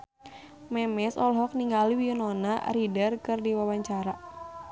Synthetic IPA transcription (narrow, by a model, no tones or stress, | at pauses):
mɛmɛsɔlɦɔk̚niŋɡaliwiɔnɔna̰ridərkɨrdiwawaɲt͡ʃaɾa